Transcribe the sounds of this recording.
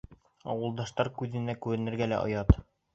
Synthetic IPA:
ɒ̰wɤ̆lˠd̪ɑʃt̪ɑɾkʉðɘ̆nækʉɾɘ̆nɘ̆ɾɡælæ̰ʔo̰jɑt̪

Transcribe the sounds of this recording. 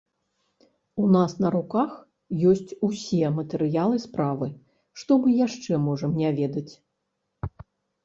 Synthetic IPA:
unasnɐɾukax | jɔsʲt͡sʲusʲɛmɐt̪ɛɾɨjalˠɨspɾavɨ | ʂt̪ɔmɨjaʂt͡ʂɛmɔʐɐmnʲavʲɛd̪ɐt͡sʲ

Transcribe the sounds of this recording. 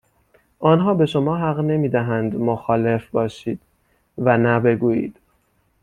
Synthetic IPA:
ʔɒːnɦɒːbe̞ʃo̞mɒːɦæɣne̞miːd̪æɦænd̪moxɒːle̞fbɒːʃiːd̪̥ | vænæbe̞ɡuːjḭːd̪̥

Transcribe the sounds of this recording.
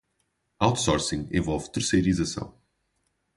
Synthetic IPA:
awt̪sɔɾsĩŋḛ̃vɔlˠvt̪ɨɾsejɾizɐsɐ̰̃w̃

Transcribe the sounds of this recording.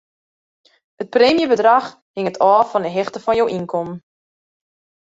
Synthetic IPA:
hət̚preːmjəbədrax | hɪŋətʰɔːfɔnəɦɪxtəfɔnjowʔinkʰɔm

